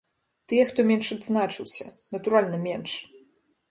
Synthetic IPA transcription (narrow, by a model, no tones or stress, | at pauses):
t̪ɨjɛxt̪ɔmʲɛnʂɐd̪znat͡ʂɨwsʲɐ̰nɐt̪uɾalʲnɐmʲɛnʂ